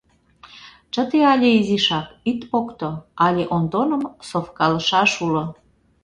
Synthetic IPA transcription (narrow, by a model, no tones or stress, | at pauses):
t͡ʃə̆t̪eɑlʲeiziʃɑkit̪pokt̪oɑlʲeʔond̪onə̆msofkɑlə̆ʃɑʃulo